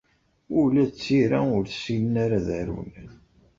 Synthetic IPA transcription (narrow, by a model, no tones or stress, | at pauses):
ʊɾlæt͡sːiɾæʊɾθə̥silənaɾaðæɾṵwnən